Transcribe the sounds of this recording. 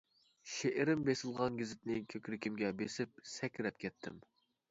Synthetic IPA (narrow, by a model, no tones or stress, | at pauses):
ʃeʔɪɾɪmbesɪlˠʁɑnɡʲizɪt̪nɪkʲʰøkʲɾɪkʲimɡʲɛbesɪp̚sɛkʲɾɛp̚kʲʰɛt̪ʰːɪ̰m